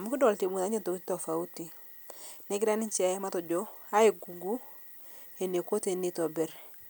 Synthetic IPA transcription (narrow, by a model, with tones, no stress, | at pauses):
a˨mu˦ki˦dɔ˨lti˨mu˨na˨˦ɲe˦nto˨ki˦tɔ˨fa˨u˦ti˨ | ne˦ɡi˦ɾa˦ni˦t͡ʃɛ˨˦ma˦tɔ˨d͡ʒo˦a˦e˨ɡu˨ɡu˦ | e˨ne˨ko˦te˨ni˦tɔ˨bɛ˦ɾ